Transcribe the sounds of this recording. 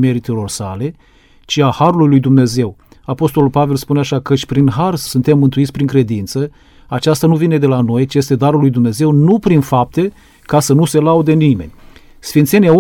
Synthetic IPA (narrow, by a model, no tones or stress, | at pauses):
me̞ɾit̪elo̞rsa̰le̞ | t͡ʃiahaɾulujlujd̪umne̞ze̞w | apo̞st̪o̞lulpave̞lspuneaʃakət͡ʃʲpɾinɦarsunt̪emːɨnt̪uit̪sʲpɾiŋkɾe̞d̪int̪sə | at͡ʃast̪anuvine̞d̪e̞lano̞jt͡ʃije̞st̪e̞d̪aɾulːujd̪umne̞ze̞wnupɾinfap̚t̪e̞ | kasənuse̞laud̪enime̞̰nʲ | sfint̪senʲau